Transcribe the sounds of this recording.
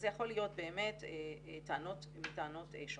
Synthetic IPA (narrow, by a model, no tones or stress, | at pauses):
zejaχo̞lijo̞t̚be̞ːmetetaanot | mitaanoteʃ